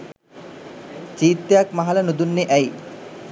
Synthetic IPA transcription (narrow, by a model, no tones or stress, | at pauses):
t͡ʃiːt̪ːejakmaɦɐlənud̪unːeʔæi